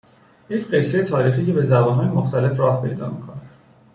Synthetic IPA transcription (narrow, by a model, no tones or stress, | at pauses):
je̞cʰɢe̞sːejet̪ʰɒːɾiːxiːcʰe̞be̞zæbɒnɦɒːjemoxt̪ʰæle̞fɾɒːhpʰe̞̰jd̪ɒ̰ːmikʰon